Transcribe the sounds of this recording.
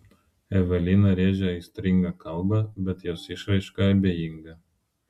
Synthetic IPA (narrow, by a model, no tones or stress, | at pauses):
ɛʋʲɛlʲinɐɾʲeːʒʲɛɐɪsʲt̪ʲɾʲɪŋɡɐkɐlˠˑbɐbʲɛt̪joːsɪʃɾɐɪʃkɐɐbʲeːjɪŋɡɐ